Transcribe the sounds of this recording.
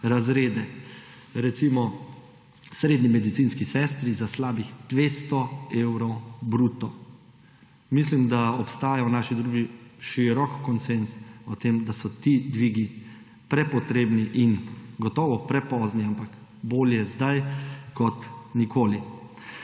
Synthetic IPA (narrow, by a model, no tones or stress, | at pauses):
ɾazɾeːd̪ɛ | ɾɛt̪simɔ | sɾeːd̪nimɛd̪it̪sinskisɛst̪ɾizaslaːbixd̪̥ʋeːst̪ɔewɾɔwbɾut̪ɔ | mislimd̪aɔpst̪aːjawnaːʃid̪ɾuːɡiʃiɾɔkkɔnsensɔt̪emd̪asɔt̪id̪ʋiːɡi | pɾɛpɔt̪ɾeːbniʔinɡɔt̪ɔːʋɔpɾɛpɔzniampak | boːljɛzd̪ajkɔt̪nikʰoːli